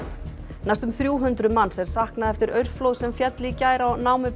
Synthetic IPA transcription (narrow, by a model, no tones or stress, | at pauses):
najst̪ʏmθɾjuːɦʏnt̪ɾʏmanːsɛɾ̥sahknaðɛft̪ɪɾœɥɾflowðsɛmfjɛt̪lɪcaːjɾawnaːwmʏp